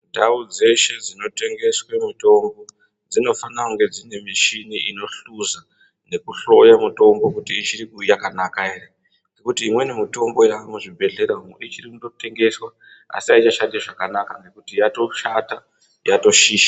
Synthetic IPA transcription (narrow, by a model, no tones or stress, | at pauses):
dʱaud͡ze̞ʃe̞d͡zino̞te̞ŋɡe̞swe̞mito̞mbo̞ | d͡zino̞fanauŋɡe̞d͡zine̞miʃiniʔino̞ɬuza | ne̞kuɬo̞jamuto̞mbo̞kutiːt͡ʃiɾikujakanakaeɾe | ŋekutiːmwe̞nemito̞mbo̞jakamuʐibʱe̞ɮe̞ɾauit͡ʃirikudo̞te̞ŋɡe̞swa | a̰siait͡ʃaʃandiaʐakanakane̞kutijato̞ʃata | jato̞ʃiːʃḁ